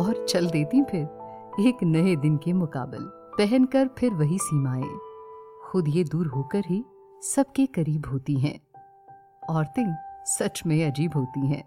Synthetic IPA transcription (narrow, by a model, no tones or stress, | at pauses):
ɔːɾt͡ʃɐld̪eːt̪ĩpʰɪɾ | eːknɐed̪ɪnkemʊka̰ːbɪ̰l | pɛɦɛnkɐɾpʰɪɾʋɐɦisiːmaːḛ̃ː | xʊd̪jed̪uːɾɦoːkəɾɦi | sɐb̚kekɐɾiːbɦoːt̪iɦɛ̰̃ː | ɔːɾt̪ɪ̃sɐt͡ʃmẽɐd͡ʒiːbɦoːt̪iɦɛ̰̃ː